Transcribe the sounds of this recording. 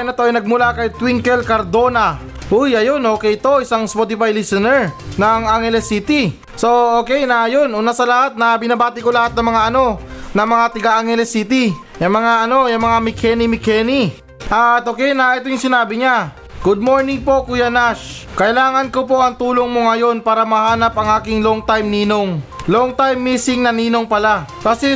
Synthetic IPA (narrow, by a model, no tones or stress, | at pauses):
nɐt̪oʔɐjnɐɡ̚mʊlakɐjt̪wiŋkɛlkɐɾd̪o̞nɐ | ʔujɐjo̞nʔo̞ːkɛjɪt̪o̞ʔɪsaŋspot̪ɪfajlisɐnɛɹnɐŋaŋhɛlɛsit̪i | so̞o̞ːkɛjnɐjo̞nʔunasɐlɐhat̪̚nɐbɪnabaːt̪ɪkolɐhat̪̚nɐŋmɐŋaʔɐno̞nɐŋmɐŋat̪ɐɡaʔaŋhɛlɛsit̪i | jɐŋmɐŋaʔɐno̞jɐŋmɐŋamɪkʰɛnimɪkɛni | ʔat̪ʔoːkɛjnɐʔɛt̪ojʊŋsɪnaːbɪɲa | ɡ̥ʊd̪̚mo̞ɹnɪŋpo̞kʊjanaʃkɐʔɪlaːŋɐnko̞po̞ʔɐŋt̪uːlo̞ŋmoŋɐjo̞npaːɾɐmɐhaːnɐpʔɐŋʔaːkɪŋloŋt̪ajmniːno̞ŋloŋt̪ajmːiːsɪŋnɐniːno̞ŋpɐlakɐsɛ